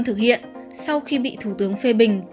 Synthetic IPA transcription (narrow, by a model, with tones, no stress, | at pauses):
nt̪ʰɨ˨˩k̚hḭ˧˨ən | sa˧wxi˧ɓḭ˧˨t̪ʰu˧˩t̪ɨ˨˦əŋfe˧ɓï˨˩ŋ̟